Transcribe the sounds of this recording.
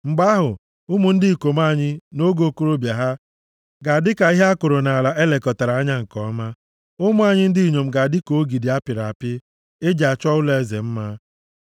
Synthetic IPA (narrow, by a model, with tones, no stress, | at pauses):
ŋ͡m̩˨ɡ͡ba˦ɦʊ˨ | ʊ˦mu˨n̩˦dɪ˦˨ko˨ma˦˨ɲɪ˦no˦ɡo˨ko˦ɾo˦bja˨ɦa˦ | ɡa˨dɪ˦ka˨i˦ɦe˦a˦kʊ˨ɾo˨na˨a˨la˨ʔe˦le˨kɔ˨ta˨ɾa˨˦a˦ɲa˦ŋ̩˨kɔ˦ma˦ | ʊ˦mu˦a˦ɲɪ˦n̩˦di˦i˨ɲo˨m̩˨ɡa˨a˨dɪ˦ko˨˦ɡi˨di˨a˦pɪ˨ɾa˨a˨pɪ˦ | e˦d͡ʒa˨t͡ʃɔ˦ʊ˦le˦˨e˦˨ze˨m̩˦ma˦